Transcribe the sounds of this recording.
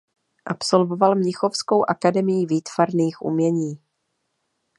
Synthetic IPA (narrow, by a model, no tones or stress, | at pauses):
ʔapso̞lvo̞valmɲɪxo̞fsko̞wʔakadɛmɪjɪviːt̪v̥aɾniːxʔṵmɲɛɲiː